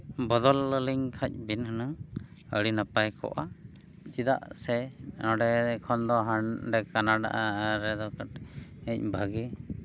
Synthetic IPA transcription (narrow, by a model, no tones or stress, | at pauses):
bɔd̪ɔlːəliŋkʰac̚binhəna | əɽinapajkɔ̰ʔa | t͡ʃid̪a̰ʔsɛɔɖɛkʰɔnd̪ɔɦanɖɛkanaɖa̰ʔaɾɛd̪ɔkaʈɛc̚bʱaɡɛ